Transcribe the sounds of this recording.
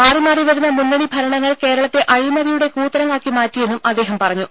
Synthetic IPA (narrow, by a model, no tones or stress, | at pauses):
aːrimaːriʋɐɾunːɐmunːɐɳibʱɐɾɐɳɐŋːɐɭke̞ːɾɐɭɐt̪ːe̞ʔɐɻimɐðijuɽe̞kuːt̪ːɐɾɐŋaːkːimaːtːije̞nːumʔɐd̪ːe̞ːɦɐmpɐrɐɲːu